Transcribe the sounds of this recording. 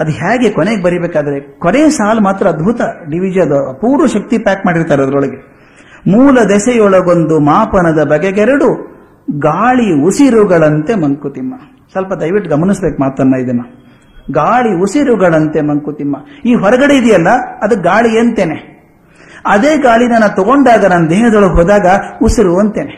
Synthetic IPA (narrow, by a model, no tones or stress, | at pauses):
ɐd̪uɦaːɡekɔneːɡebɐɾibeːkaːd̪ɐɾe̞kɔneːsaːlmaːt̪ɾɐːd̪bʱut̪ɐɖiʋid͡ʒɐɐd̪ɐpuːɾʋɐʃɐk̚t̪ipaːkmaːɽiɾt̪aːɾeɐd̪ɐɾɔɭɐɡe | muːlɐd̪ɛsɛjɔɭɐɡond̪umaːpɐnɐd̪ɐbɐɡeɡɛɾɐɽu | ɡaːɭiusiɾuɡɐɭɐnt̪e̞mɐŋkut̪imːɐ | sɐlpɐd̪ɐjʋiʈːɡɐmɐnisbeːk̚maːt̪ɐnːɐid̪ɐnːɐ | ɡaːɭiusiɾuɡɐɭɐnt̪e̞mɐŋkut̪imːɐiːɦɔɾɐɡɐɽe̞id̪ijɐlːɐɐd̪ɐɡaːɭieːnt̪eːne | ɐd̪e̞ːɡaːɭinɐnːɐt̪ɔɡoɳɖaːɡɐnɐnːɐd̪eːɦɐd̪ɔɭɐɡɦoːd̪aːɡɐusiɾuɐnt̪eːne